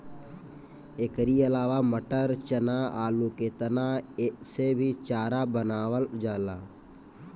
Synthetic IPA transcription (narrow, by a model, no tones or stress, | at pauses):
eːkɾiɐlaːʋaməʈəɾt͡ʃənaa̰ːluket̪ənasebʱit͡ʃaːɾabənaːwəld͡ʒaːlaː